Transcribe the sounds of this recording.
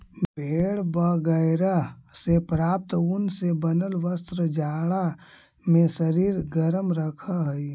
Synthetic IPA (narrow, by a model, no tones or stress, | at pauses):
bʱeːɽbəɡəɪɾasepɾaːp̚t̪ʊnsebənəlʋəst̪ɾəd͡ʒaːɽa | mẽsəɾiːɾɡəɾəmɾəkʰaɦi